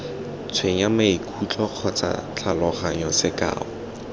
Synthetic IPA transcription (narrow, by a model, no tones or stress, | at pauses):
t͡sʰweɲamaikʰut͡ɬʼɔq͡χʰɔt͡sa̰t͡ɬʰalɔχaɲɔsɪkʼa̰ːɔ